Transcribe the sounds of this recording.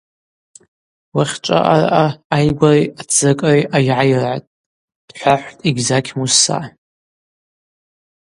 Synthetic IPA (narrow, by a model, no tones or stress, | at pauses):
waχʲʈ͡ʂʷʼa̰ʔara̰ʔaːjɡʷariat͡sɨkʼriʔajʕajrʕa̰tʼ | d̥ħʷaħʷtʼiɡʲzakʲʰmusa̰